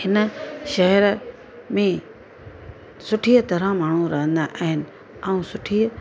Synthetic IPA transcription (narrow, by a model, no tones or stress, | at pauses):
hɪnə̆ʃɐɦəɾ | mẽ | sʊʈʰit̪ɐɾãmaːɳ̤ũɾɐɦə̃nd̪aʔaːɦɪnɪ̆ | aũsʊʈʰiː